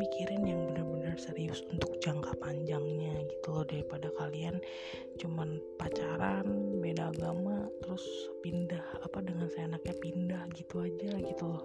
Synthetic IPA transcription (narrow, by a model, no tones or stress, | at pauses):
mikʰiɾanjaŋbənərbənərsəɾiʊsunt̪ʊk̚d͡ʒaŋkapaɲd͡ʒaŋɲaɡit̪ulɔhdaɾipadakalian | t͡ʃuman | pat͡ʃaɾanbedaːɡamat̪əɾʊs | pindahapadəŋansaenak̚ɲapindahɡit̪uad͡ʒaɡit̪ulɔh